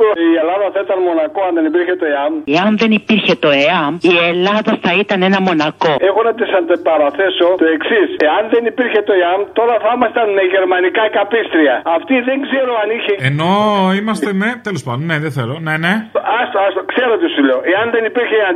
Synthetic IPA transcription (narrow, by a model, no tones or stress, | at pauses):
ielɐðɐθɐit̪ɐnmo̞nɐkoɐnðe̞nipiɾçet̪o̞eɐmeɐnðe̞nipiɾçe̞t̪o̞eɐmielɐðɐθɐit̪ɐne̞nɐmo̞nɐko̞e̞xo̞nɐt̪isɐnd̪epɐɾɐθe̞so̞t̪oe̞ksise̞ɐnðe̞nipiɾçe̞t̪o̞eɐmt̪o̞ɾɐθɐimɐst̪ɐnmeʝe̞ɾmɐnikɐkɐpist̪ɾiɐɐft̪iðe̞ŋɡze̞ɾoɐniçeeno̞imɐst̪emet̪elospɐd̪oneðeθeloneneɐsɐskse̞ɾot̪isuʎoʔeɐnðe̞nipiɾçeɐn